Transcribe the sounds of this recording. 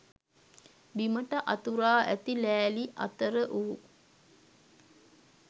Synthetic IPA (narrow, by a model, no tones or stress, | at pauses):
biməʈəʔat̪uɾaːʔæt̪ilæːliʔa̰t̪əɾəʔuu